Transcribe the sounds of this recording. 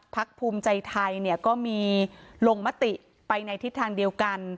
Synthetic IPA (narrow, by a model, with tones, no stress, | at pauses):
pʰa˦˥k̚pʰuː˧mt͡ɕa˧jt̪ʰa˧jni˥˩ɐkɔː˥˩miː˧loː˧ŋma˦˥t̪i˨˩ʔ | pa˧jna˧jt̪ʰi˦˥t̪ʰːaː˧ŋdi˧əwka˧n